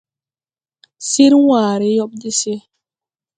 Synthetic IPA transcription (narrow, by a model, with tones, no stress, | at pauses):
si˦ɾwwaː˨ɾi˦jɔ˦p̚di˦si˦